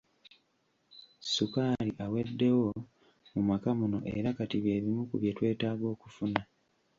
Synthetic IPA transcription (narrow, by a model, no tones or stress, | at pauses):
sukaːliʔawe̞dːe̞wo̞ | mumakamuno̞ʔeɾakatiβje̞ːβimukuβjetwe̞ːtaːɡo̞ːku̥funa